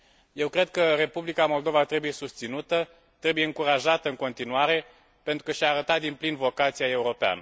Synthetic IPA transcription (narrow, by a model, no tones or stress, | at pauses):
je̞wkɾe̞d̪̚kəre̞publikamo̞ld̪o̞vat̪ɾe̞buje̞sust̪sinut̪ə | t̪ɾe̞buje̞ɨŋkuɾaʒat̪əɨŋko̞nt̪inuaɾe̞ | pe̞nt̪ɾukəʃiaːɾət̪at̪̚d̪implinvo̞kat̪siae̞uɾo̞pea̰nə